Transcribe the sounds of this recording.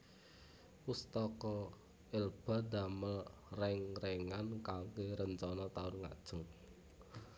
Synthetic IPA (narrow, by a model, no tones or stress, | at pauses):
ust̪ɔkɔ | ɪlb̥a̤d̪a̤məlrɛŋrɛŋankaŋkeɾənt͡ʃɔnɔt̪aʊrŋa̰d̥ʒ̥ʊ̤ŋ